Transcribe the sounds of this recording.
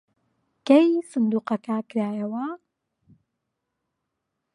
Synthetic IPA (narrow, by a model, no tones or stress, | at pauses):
kɐjsɨnd̪uːqɐkakɪɾaːjɐwɐ